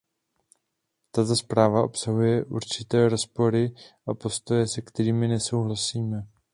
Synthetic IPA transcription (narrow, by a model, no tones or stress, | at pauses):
t̪at̪̬o̞spɾaːvaʔo̞̰psaɦujɛʔuɾt͡ʃɪt̪ɛːɾo̞spo̞ɾɪʔapo̞st̪o̞jɛsɛkt̪ɛɾiːmɪnɛso̞wɦlasiːmɛ